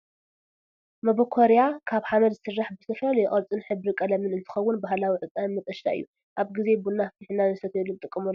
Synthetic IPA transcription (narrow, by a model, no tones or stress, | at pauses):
mɐbokʰoɾejakʰaβħamɐd̪zɨsɨrːaħbɨsɨfɐljɪχʼɐlt͡sʼɨnħɨbɾikʼɐlɐmɨnɨnt̪ʰɨ̥xɐwːʊnbaɦlawiʕɨt̪ʼanmɨt̪ʼɐʃla̰ʔɨ̰jːu | ʔaβɡize̞bunːafɨt̪ʰiħnːanɨsɐt̪jelːut̪ʼɨkʼːɨmulː